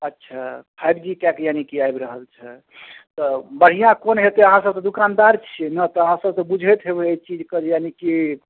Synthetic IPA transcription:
ətːʃʰapʰajbd͡ʒikɛkjanikiajbɾəɦəlt͡ʃʰɛ | t̪ɔbəɽ̤ijãkonɦet̪eəɦãsəb̚sɔd̪ukand̪aɾt͡ʃʰɛnət̪ɔəɦãsəbsɔ̃bud͡ʒʱɛt̪ɦebeet͡ʃid͡ʒkəd͡ʒjaniki

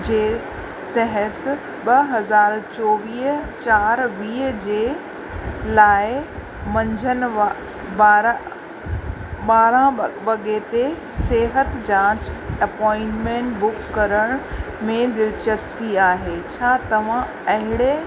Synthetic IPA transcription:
d͡ʑeː | t̪ɐɦət̪ | ɓɐɦɐzaːɾt͡ɕɔːʋiːɦt͡ɕaːɾʋiːɦd͡ʑeː | laːɪ | mɐ̃ɲd͡ʑʱən̆ | baːɾ | ɓaːɾãʋɐɠet̪e | seːɦət̪d͡ʑãːt͡ɕɐpɔːɪ̃ɳʈmẽɳʈbʊkːɐɾəɽ̃ | mẽd̪ɪlt͡ɕəspiaːɦeːt͡ɕʰaːt̪ɐʋ̤ã | ɐɦɪɽ̃e

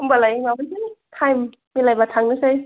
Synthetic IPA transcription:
uŋbalajŋabansitʰajm | milajbatʰaŋnɯsaj

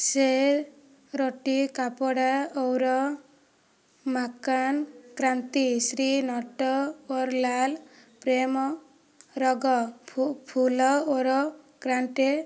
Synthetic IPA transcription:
seɾ | ɾoʈikapɔɽaowɾɔ | makankɾant̪isɾinɔʈɔoɾlal | pɾemɔ | ɾɔɡɔpʰulɔoɾɔkɾaɳʈe

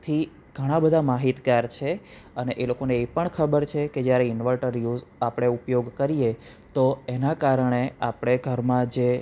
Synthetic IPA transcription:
t̪ʰi | ɡʱəɽ̃ãbəd̪ʱamaɦit̪ɡaɾt͡ʃʰeəneʔelokoneːpəɳkʰəbəɾt͡ʃʰeked͡ʒjaɾeɪnʋəlʈəɾjuzapɽ̃eupjoɡkəɾije | t̪oenakaɾəɳeapɽ̃eɡʱəɾmãd͡ʒe

